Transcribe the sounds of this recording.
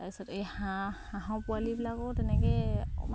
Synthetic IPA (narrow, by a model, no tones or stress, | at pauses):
aisɔtejhahaɦɔ̃pualibilakɔtɛnɛkɛ̰ma